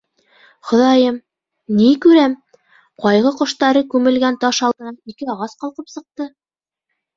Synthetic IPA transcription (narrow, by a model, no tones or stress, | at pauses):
χŏðɑjɤm | nikʉɾæm | qɑjʁɤqŏʃt̪ɑɾɤkʉmɘ̆lɡænt̪ɑʃɑlˠd̪ɤ̆nɑnikɘɑʁɑsqɑlˠqɤpsɤ̆q̚t̪ɤ